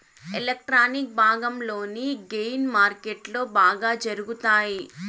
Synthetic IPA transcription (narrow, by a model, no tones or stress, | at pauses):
elek̚ʈɾaːnik̚bʱaːɡɐmlo̞ːniɡejnmaːɾkeʈlo̞ːbaːɡaːd͡ʒɐɾuɡut̪aːji